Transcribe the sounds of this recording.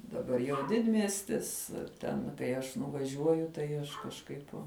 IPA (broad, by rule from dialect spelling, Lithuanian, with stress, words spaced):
dɐˈbɐr jɛʊ ˈdʲɪdʲmʲiɛsʲtʲɪs ˈtʲɛn kɐɪ ˈɐʃ nʊʋɐˈʒʲuɔjʊ tɐɪ ˈɐʃ kɐʃˈkɐɪp